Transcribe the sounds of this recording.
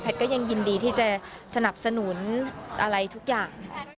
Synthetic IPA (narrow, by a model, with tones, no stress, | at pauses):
pʰɛ˦˩t̚kɔ˥˩ja˧ŋji˧ndiː˧t̪ʰiː˥˩t͡ɕa˨˩ | sa˧na˨˩p̚sa˧nu˩˦nʔa˧ɾa˧jt̪ʰu˦˥k̚jaː˨˩ŋ˥